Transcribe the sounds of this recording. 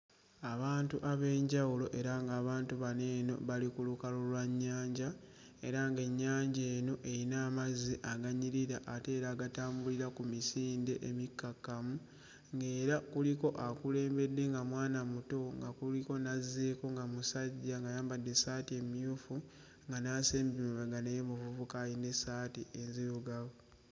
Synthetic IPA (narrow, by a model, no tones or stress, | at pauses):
aβaːntuʔaβe̞ːɲɟawulo̞ʔe̞ɾaŋɡaːβaːntuβane̞ːno̞̰βalikulukalolwaɲːaːɲɟa | e̞ɾaŋɡe̞ɲːaːɲɟe̞ːno̞ʔe̞ɾinaːmaziʔaɡaɲiɾiɾaʔːte̞ːɾaːɡataːmbuliɾakumisiːnde̞ʔemikːakːamu | ŋɡe̞ːɾakuliko̞ʔakule̞ːmbe̞dːe̞ŋɡamwaːnamuto̞ŋɡakuliko̞naze̞ko̞ŋɡamusaɟːaŋɡajaːmbadːe̞saːtie̞mijuːfu | ŋɡanaːseːmbimuβeɡanejemuvuvukajine̞saːtiezijuɡaɣo